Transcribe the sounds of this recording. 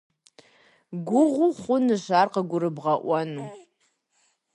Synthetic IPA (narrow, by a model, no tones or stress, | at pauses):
ɡʷʊʁʷuχʷʊnɨʃarqaɡʷʊɾɨbʁaʔʷanu